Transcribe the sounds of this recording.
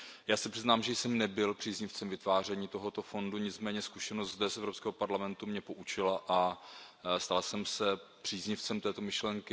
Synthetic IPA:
jaːsɛpr̥ɪznaːmʒɛjsɛmnɛbɪlpr̥iːzɲɪft͡sɛmvɪt̪vaːr̝ɛɲiːt̪o̞ɦo̞t̪o̞fo̞nduɲɪt͡smɛːɲɛskuʃɛnost̪zd̪ɛsʔɛvɾopskɛːɦopaɾlamɛnt̪umɲɛpo̞ʔut͡ʃɪlaʔa | st̪alsɛmsɛpr̥iːzɲɪft͡sɛmt̪ɛːt̪o̞mɪʃlɛŋkɪ

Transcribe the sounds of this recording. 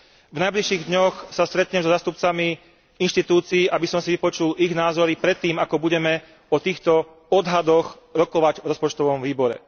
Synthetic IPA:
vnajbliʃiːɣd̪ɲɔxsast̪ɾɛt̪ɲɛmzɔzaːst̪up̚t͡sami | inʃt̪it̪uːt͡siːʔabisɔmsiʋipɔt͡ʃulʔiɣnaːzɔɾipɾɛt̪ːiːmakɔbuɟɛmɛ | ɔt̪iːxt̪ɔ | ɔd̪ɦad̪ɔx | ɾɔkɔʋaɟvɾɔspɔt͡ʃt̪ɔʋɔmʋiːbɔɾɛ̰

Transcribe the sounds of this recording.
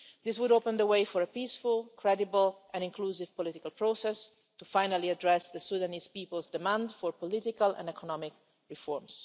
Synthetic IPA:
d̪ɪswudopə̃nd̪əweɪfɔɹəpiːsfulkʰɹɛdibəlʔɛ̃nɪ̃ŋkluːsɪvpɔlɪtɪkalˠpɹosɛs | t̪ufajnaliadɹɛsd̪əsud̪anizpiːpəlˠzd̪ɪmãnd̪fɔɹpɔlɪtɪkalɛ̰̃nɛkʰɔnɔmɪk | ɹifɔɹms

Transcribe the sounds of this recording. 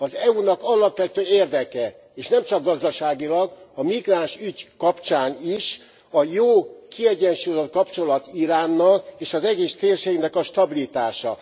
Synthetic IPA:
ɒzɛunɒkɒlɒpʋɛt̪øːeːrd̪ɛkɛ | eːʃnɛmt͡ʃɒɡɡɒzd̪ɒʃaːɡilɒɡɒmiɡraːnʃyɟkɒpt͡ʃaːniʃ | ɒjoːkʰiɛɟɛnʃujozot̪̚kɒpt͡ʃo̞lɒt̪iɾaːnːɒleːʃɒzɛɟeːʃt̪eːrʃeːɡnɛkɒʃt̪ɒbilit̪aːʃɒ̰

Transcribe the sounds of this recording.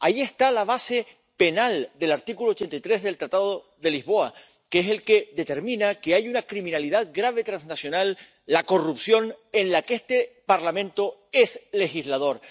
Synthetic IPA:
ajie̞st̪alaβ̞ase̞ | pe̞nald̪e̞laɾt̪ikulot͡ʃe̞nt̪ajt̪ɾe̞zðe̞lt̪ɾat̪aðo | ðe̞lizβo̞a | kese̞lke̞ðe̞t̪e̞ɾmĩnakeajunakɾimĩnaliðaðɡɾaβ̞e̞t̪ɾãnsnasjo̞nalː | ako̞rupsjo̞ne̞nlakeest̪e̞paɾlamẽ̞nt̪o̞e̞sle̞xizlað̞o̞ɾ

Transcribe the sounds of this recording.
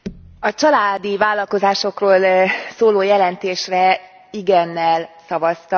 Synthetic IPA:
ɒt͡ʃɒlaːd̪ivaːlːɒlko̞zaːʃo̞kroːlsoːloːjɛlɛnt̪eːʃrɛ | iɡɛnːɛlsɒvɒst̪ɒ

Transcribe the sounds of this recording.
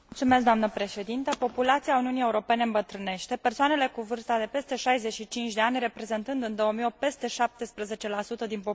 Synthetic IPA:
mult̪sume̞sk̚d̪oamnəpɾe̞ʃe̞d̪int̪əpo̞pulat̪siauniunije̞uɾo̞pe̞neɨmbət̪ɾɨne̞ʃt̪e̞pe̞rsoane̞le̞kuvɨrst̪ad̪e̞pe̞st̪e̞ʃajze̞ʃit͡ʃint͡ʃʲd̪e̞anʲre̞pɾe̞ze̞nt̪ɨnd̪ɨnd̪o̞wəmijoppe̞st̪e̞ʃap̚t̪e̞spɾəze̞t͡ʃe̞lasut̪əd̪inpo

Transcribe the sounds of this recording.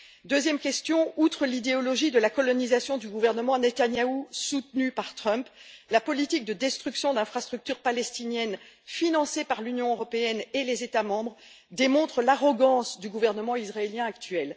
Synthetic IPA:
d̪øzjɛmkʲɛst̪jɔ̃ut̪χəlid̪eɔlɔʒid̪əlakɔlɔnizasjɔ̃d̪yɡuvɛʁnəmɑ̃net̪anjausut̪nypaʁt̪χœ̃mplapɔlit̪ik̚d̪əd̪ɛst̪χyksjɔ̃d̪ɛ̃fχast̪χyk̚t̪yʁpalɛst̪injɛn | finɑ̃sepaʁlynjɔ̃øʁɔpeɛnelezet̪amɑ̃bʁ | d̪emɔ̃t̪χəlaʁɔɡɑ̃sd̪yɡuvɛʁnəmɑ̃izʁaeljɛ̃akt̪ɥɛl

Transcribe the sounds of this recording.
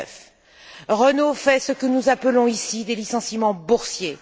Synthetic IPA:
f | ʁənofɛsəkənuzapəlɔ̃isid̪elisɑ̃simɑ̃buʁsje

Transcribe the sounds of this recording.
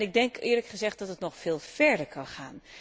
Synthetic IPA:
nɪɡ̚dɛŋkɪːɹləkχəzɛχt̚d̥ɑtətnɔχfeːlˠv̥ɛɹdəɹkɑnχaːn

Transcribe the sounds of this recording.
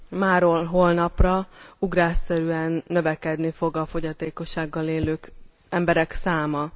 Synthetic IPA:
maːɾolɦolnɒprɒuɡraːsːɛɾyɛnːø̞vɛkɛd̪nifo̞ɡɒfo̞ɟɒt̪eːko̞ʃaːɡːɒleːløːk | ɛmbɛɾɛksaːmɒ

